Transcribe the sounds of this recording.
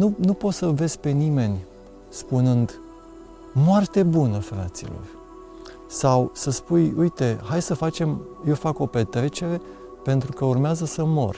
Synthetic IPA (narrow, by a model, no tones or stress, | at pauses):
nunupo̞t̪səve̞z̥pe̞nime̞nʲ | spunɨnd̪ | moart̪e̞bunəfɾa̰t̪sḭlo̞̰rʲ | sawsəspujujt̪e̞ɦajsəfat͡ʃe̞mje̞wfako̞pe̞t̪ɾe̞t͡ʃee | pe̞nt̪ɾukəurmeazəsəmo̞̰r